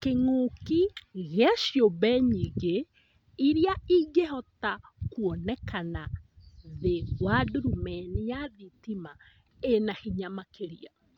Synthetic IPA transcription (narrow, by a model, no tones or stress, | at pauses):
keŋokiɣɛʃjobɛɲiɣe | iɾiaiɡeɦɔtakuɔnɛkanaðeɣwaduɾumɛnijaðitima | enahiɲamakeɾia